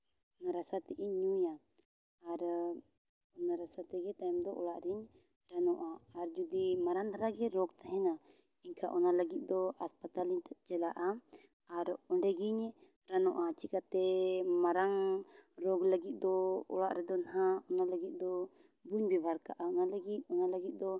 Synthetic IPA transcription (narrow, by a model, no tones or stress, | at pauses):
ɔnaɾasat̪ɛʔiɲujaː | ɾ | ɔnaɾasat̪ɛɡɛt̪ajmd̪ɔʔɔlaʔɾiɲ | ɾanɔʔaːɾd͡ʒud̪imaɾanaɾaɡɛɾɔɡt̪aɦɛna | iɲkʰaʔɔnaləɡit̪̚d̪ɔaspat̪aliɲt̪aʔ̚t͡ʃɛlaʔa | aɾɔɳɖɛɡiɲ | ɾanɔʔat͡ʃikat̪ɛmaɾaŋɾɔɡləɡit̪̚ˀd̪ɔɔ̰ɽaʔɾɛd̪ɔnaɦãɔnaləɡit̪̚ˀd̪ɔ | buɲbibʱaɾka̰ʔaɔnaləɡit̪̚ˀɔnaləɡit̪̚ˀd̪ɔ